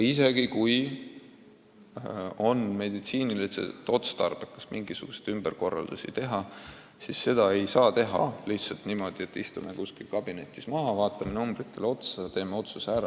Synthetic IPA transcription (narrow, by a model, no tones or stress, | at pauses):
is̬e̞ɡ̥ikuj | o̞nme̞d̪it̪siːnilisḛt̪ːˑo̞t̪st̪ɑrb̥ekːˑɑ̥smʔiŋɡisuɡ̥usejd̪ymb̥erko̞rːɑ̰ld̪̥usit̪e̞ɦɑ | sisːe̞d̪̥ɑe̞jsɑːt̪e̞ɦɑ̰liht̪sɑlt̪nimo̞d̪̥iet̪ːist̪umekuskilkɑb̥ine̞t̪ʲːˑismɑɦɑvɑːt̪ːˑɑmenumb̥rit̪ˑːe̞lo̞t̪sɑt̪e̞ːmeo̞t̪susæɾɑ